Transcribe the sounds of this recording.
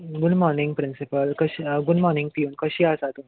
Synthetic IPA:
ɡʊɖmɔɾnĩŋɡ̚pɾinsipəlkəɕɡuɖmɔɾnĩŋɡ̚piuːnkəɕiːasat̪un

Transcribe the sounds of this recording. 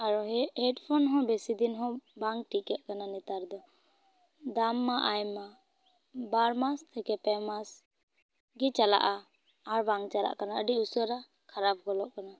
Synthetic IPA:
aɾɔhɛʈpʰɔnɦɔ̃besid̪inɦɔ̃baŋʈikɛt̚kananɛt̪aɾd̪ɔ | d̪amːaʔajma | baɾmast̪ʰɛkɛpɛmas | ɡit͡ʃala̰ʔaː | ɾbaŋt͡ʃala̰ʔkanaəɖiusɔɾa | kʰaɾap̚ʰɡɔlɔʔkana

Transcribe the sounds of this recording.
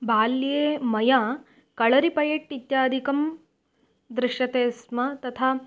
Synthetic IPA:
baːljeːmɐjaː | kɐɭɐɾipɐjɐʈːit̪jaːd̪ʱikɐm | d̪ɾɪʃjɐt̪eːsmɐt̪ɐt̪ʰa

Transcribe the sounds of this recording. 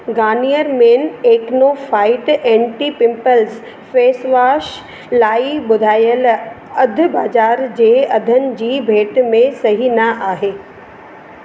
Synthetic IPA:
ɡaːnijəɾmeːneːknofaːɪʈɛ̃ːɳʈiːpɪ̃mpəlz | feːsʋaːʃ | laːiɓʊd̪ʱaːjəl | ɐd̪ʱʊ̆baːd͡ʑaːɾd͡ʑeːɐd̪ʱənɪ̆d͡ʑiːbʱeːʈmẽsɐɦinaʔaːɦeː

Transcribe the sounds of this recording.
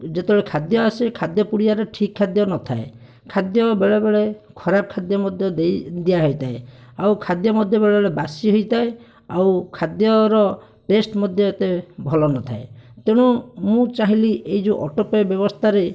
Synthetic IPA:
d͡ʒet̪eɔɭekʰad̪jɔasekʰad̪jɔpuɽiaɾeʈʰikʰːad̪jɔnɔt̪ʰae | kʰad̪jɔbeɭebeɭekʰɔɾab̚kʰad̪jɔmɔd̪ʱjɔd̪ejd̪ijaɦɔjt̪ʰaeawkʰad̪jɔmɔd̪ʱjɔbeɭebeɭebasiɦojt̪ʰae | awkʰad̪jɔɾɔ | ʈesʈmɔd̪ʱjɔet̪ebʱɔlɔnɔt̪ʰaet̪eɽ̃umũt͡ʃaɦiliʔejd͡ʒuʔɔʈɔpɔjɔbjɔbɔst̪ʰaɾe

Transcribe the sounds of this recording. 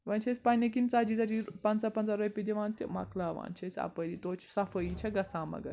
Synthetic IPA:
ʋɐnt͡ʃʰesʲpɐnʲɐk̬int͡sad͡ʒit͡sad͡ʒipɐnt͡sapɐnt͡saɾojpʲid̪iʋãːnt̪ʲimɐ̰klaːʋa̰ːnt͡ʃʰɐsʲa̰pəɾit̪oːt͡ʃʰu̥sɐfəit͡ʃʰɐɡɐsaːmɐ̰ɡɐ̰ɾ

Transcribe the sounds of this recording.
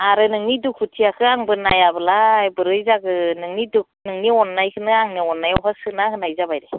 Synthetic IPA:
aɾɯnɯŋnidukʰutʰiakʰɯaŋbɯnajabɯlaːjbɯɾɯjzaɡɯnɯŋniduk̚nɯŋniɔnːajkʰɯnɯaŋniɔnːajɔɦasɯnahɯnajzabajɾɯ

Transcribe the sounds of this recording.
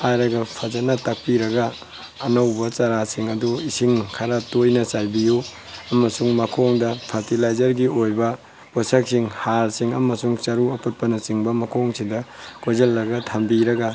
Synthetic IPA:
ajɾɐɡɐpʰɐzɐnɐtɐk̚piɾɐɡɐː | nɐwbɐt͡ʃɐɾasiŋɐduisiŋkʰɐɾatojnɐsajbiju | ɐmɐsuŋmɐkʰoŋdɐpʰɐɾtilajzɐɾɡiojbɐ | posɐk̚siŋhalsiŋɐmɐsuŋt͡ʃɐɾuɐput̚pɐnɐsiŋbɐmɐkʰoŋsidɐkojzɐlːɐɡɐtʰɐmbiɾɐɡɐ

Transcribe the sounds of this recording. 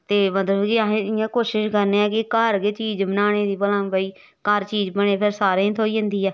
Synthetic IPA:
t̪eːmət̪ləbkɪɦẽːãːkoːʃɪʃkəɾneːɛːkɪkəɾkeːt͡ʃiːd͡ʒbənaːɽ̃eːd̪iːbəlãːbəiː | kəɾt͡ʃiːd͡ʒbəneːpʰɪɾsaːɾẽːt̪ʰoːiːɦə̃nd̪iːɛː

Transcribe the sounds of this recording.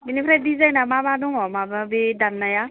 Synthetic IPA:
binipʰɾɛdizajnamabad̪õŋɔmababedanːaja

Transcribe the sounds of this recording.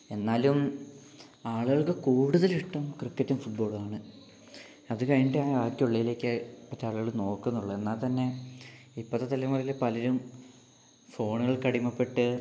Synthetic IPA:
e̞nːaːlum | aːɭuɣɐɭkɨkuːɽuðɐliʈːɐmkrikːɐtːumfuʈ̚bo̞ːɭaːɳɨ | ɐðukɐjnɖeaːjɐaːkːjiuɭːɐjile̞ːkːɨpɐtːaːɭuɣɐɭno̞ːkːunːuɭːɐe̞nːaːlt̪ɐnːe̞ | ipːɐt̪ːɨt̪ɐlːɐmuːlilepɐlɐɾum | fo̞ːɳuɣɐɭkɐɽimɐpːe̞ʈːɨ

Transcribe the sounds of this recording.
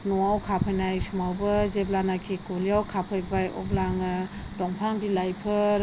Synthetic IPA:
nuawkʰapʰajnajsumawbɯzeblanakʰikoliawkʰapʰɯjbajɔ̰blaŋɯ | dɔŋpʰaŋbilajpʰɯɾ

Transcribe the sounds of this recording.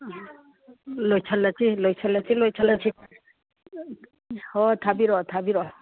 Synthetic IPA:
lojt͡ʃʰalat͡ʃʰilojsʰalat͡ʃʰilojt͡ʃʰalat͡ʃʰi | hɔt̪ʰabiɾɔt̪ʰabiɾɔ

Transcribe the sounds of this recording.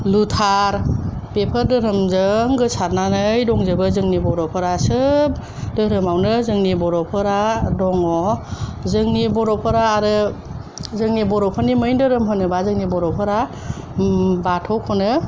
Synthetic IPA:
lutʰaɾpepʰəɾdɯɾɯmzɯŋɡɯsaɾnanɯjdɔŋzɯbɯzɯŋnibɔɾɔpʰɯɾasɯb̚ | dɯɾɯmawnɯzɯŋnibɔɾɔpʰɯɾadɔŋɔ | zɯŋnibɔɾɔpʰɯɾaːɾɯ | zɯŋnibɔɾɔpʰɔnimɯjndɯɾɯmɦɯnɯbazɯŋnibɔɾɔpʰɯɾa | batʰɔkʰɔnɯ

